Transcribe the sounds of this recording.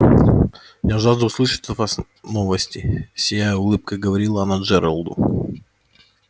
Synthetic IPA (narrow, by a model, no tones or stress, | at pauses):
jaʐazd̪əʊslˠɨʂət̪t̪vas | novəsʲtʲɪsʲɪjajəʊlˠɨp̚kəɡəvɐɾʲilˠəɐnad͡ʒɛɾəlˠd̪ʊ̰